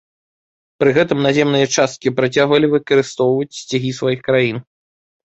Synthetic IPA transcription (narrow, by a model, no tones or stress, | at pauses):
pɾɨɣɛt̪ɨmnazʲɛmnɨjɐt͡ʂast̪̚kʲipɾat͡sʲaɣvɐlʲivɨkɐɾɨst̪ɔwvɐt͡sʲsʲt͡sʲaɣʲisvajixkɾajin